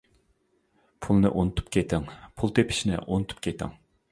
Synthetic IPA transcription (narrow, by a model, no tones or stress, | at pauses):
pʰulˠnɨʔonɨt̪ʰu̥pkʲʰet̪ʰɪŋpʰulˠt̪ʰepʰɪ̥ʃinɪ̰ʔonɨt̪ʰu̥p̚kʲʰet̪ʰɪ̰ŋ